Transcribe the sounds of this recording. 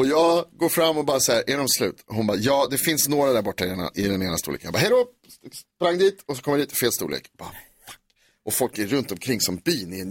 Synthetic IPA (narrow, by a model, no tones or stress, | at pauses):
ɔjɑːɡɡoːɾfɾamːɔbɑːɾasaæɾʔæɖɔmslʉ̟ːt̪ɔhʊnbɑːjɑːd̪ɛfɪnsnoːɾad̪æɾbɔʈːaɛɳa̰ʔɪd̪ɛneːnast̪əṵːlḛːkənjabɑːɦɛjd̪ɔ | pɾaŋːd̪iːt̪ʰɔs̬ɔkʰɔmjæɾd̪iːt̪feːlst̪ṵːlḛːkb̥ɑ̰ | fḁkː | ʔɔfɔlkæːɵnt̪ɔmkʰɾɪŋːsɔmbiːnɪɛn